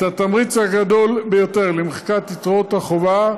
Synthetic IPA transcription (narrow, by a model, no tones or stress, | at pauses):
tat̪amʁit͡shaɡad̪o̞lbejo̞t̪e̞ʁlemeχkat̪it̪ʁot̪haχova